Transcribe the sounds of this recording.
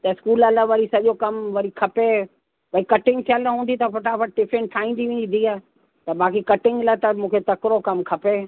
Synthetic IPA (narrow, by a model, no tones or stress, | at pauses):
t̪ɐɪskuːlələʋɐɾisɐʄokɐmʋɐɾikʰɐpe | pɐikɐʈɪ̃ŋɡ̚t̪ʰiələɦũːnd̪it̪ɐpɐʈapɐʈ̚ɖɪfɾẽɳʈʰaːĩːn̆d̪iʋẽːnĩnd̪iaː | t̪ɐɓaːkikɐʈɪ̃ŋɡlat̪ɐmũːkʰet̪ɐkɪɾokɐmkʰɐpe